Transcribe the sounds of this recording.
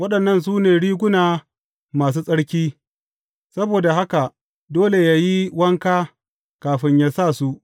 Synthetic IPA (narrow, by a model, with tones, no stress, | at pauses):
wɐ˦ɗɐ˨nːɐ˦˨ns̬uː˦neː˨ɽiː˦ɡʷʊ˦naː˨ | maː˨s̬uː˦sʼɐ˦ɽkʲiː˦ | sɐ˦boː˨da˨ɦa˦ka˨ | doː˦le˨jaː˦ji˦wɐ˦ŋkaː˦ | kaː˨ɸɪ˦ɲjaː˦sa˦˨su˦ʔ